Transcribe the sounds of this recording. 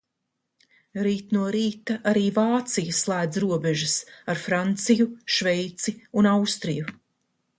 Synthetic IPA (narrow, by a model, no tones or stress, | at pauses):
ɾiːt̪nuɔɾiːt̪aʔaɾiːvaːt̪sijaslˠæːd̪zɾuɔbeʒɨsaɾfɾant̪sijuʃvɛjt̪siunawst̪ɾiju